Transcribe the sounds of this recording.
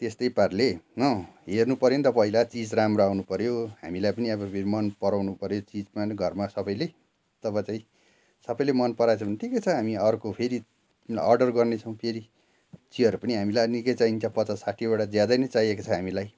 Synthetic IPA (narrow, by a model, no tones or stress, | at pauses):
t̪est̪ʌjparlenʌɦernupʌɾjenit̪ʌpʌɦilat͡sid͡zramroawnupʌɾjoɦa̰milajpʌniʌbʌpʰeɾimʌnpʌɾawnupʌɾjot͡sid͡zmanɡʱʌrmasʌbʌjle | t̪ʌpãt͡saĩ | sʌbʌjlemʌnpʌɾat͡sʰbʌnʈʰikʌt͡sʰʌɦamiʌrkopʰeɾi | ʌrɖʌrɡʌrnet͡sʰʌw̃pʰeɾi | t͡siʌɾupʌniɦamilajʌnikʌjt͡saint͡sapʌt͡sʌsaʈʰibaɽad͡zjad̪ʌjnʌt͡saɦijekot͡sʰʌɦamilaj